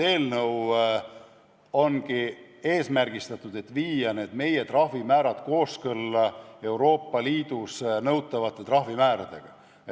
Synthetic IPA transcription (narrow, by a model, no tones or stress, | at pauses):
e̞ːlnɤw | o̞nɡi | e̞ːsmærɡ̥ist̪ɑt̪ːud̪̥e̞t̪ːviːjɑne̞ːd̪̥me̞je̞t̪rɑhvimæːɾɑd̪̥ko̞ːskɤlːɑe̞wɾo̞ːpːɑliːd̪usnɤwt̪ːˑɑvɑt̪ːˑe̞t̪rɑɦvimæːɾɑd̪̥e̞̰ɡ̥ɑ̰